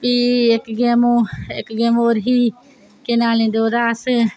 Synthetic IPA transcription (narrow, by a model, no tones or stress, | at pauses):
piːekɡeːmoːekɡeːmoːɾɦiː | kenaːlẽːnd̪oːɾaːs